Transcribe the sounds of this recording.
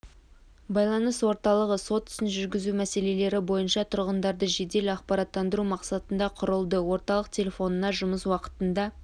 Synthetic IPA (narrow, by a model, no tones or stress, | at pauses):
bɑjlˠɑnəswo̞ɾt̪ɑlˠəʁəso̞t̪ʰʏ̥sɪnʒʏɾɡʲɪzumæse̞le̞le̞ɾɪbo̞jənʃɑt̪ʰʊɾʁənd̪ɑɾd̪əʒe̞d̪e̞lɪɑqpɑɾɑt̪ːɑnd̪əɾumɑqsɑt̪ənd̪ɑqʰʊɾəlˠd̪əwo̞ɾt̪ɑlˠəq̚t̪ʲʰe̞lʲe̞fo̞nənɑʒʊməswɑqə̥t̪ənd̪ɑ